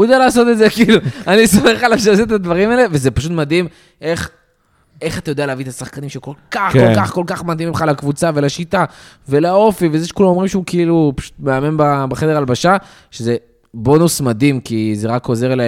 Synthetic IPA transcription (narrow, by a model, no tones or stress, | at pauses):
ujed̪alaːso̞t̪edzekiiluanisomeχalafʃeset̪ad̪vaʁimaele̞vezepaʃut̪mad̪im | e̞χ | eχat̪ajodealeavit̪asaχkanimʃeko̞lkaχkolkaχko̞lkaχmad̪imiχalakvut͡savelaʃit̪a | veleao̞fivezeʃekulamo̞mʁimʃeukeilupḁʃu̥t̪meame̞nbabeχe̞d̪eʁalbaʃa | ʃeze̞ | bo̞nusmad̪imkize̞ʁako̞ze̞ʁla